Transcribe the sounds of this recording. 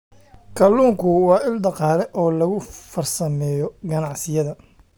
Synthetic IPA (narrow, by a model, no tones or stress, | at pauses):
kʰɐlːuːŋkʰʊwɑːɪld̪ɑqɑːlɛʔɔːlɐɣʊfɐrsɐmɛːjɔɡɐnɑʕsɪjɐðɐ